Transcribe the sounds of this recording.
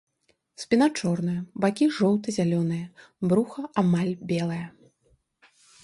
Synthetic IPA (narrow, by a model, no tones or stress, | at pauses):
spʲinat͡ʂɔrn̪ɨjɐbakʲiʐɔw̪t̪ɨzʲalʲɔnɨjɐ | bɾuxɐamalʲbʲɛlˠɐjɐ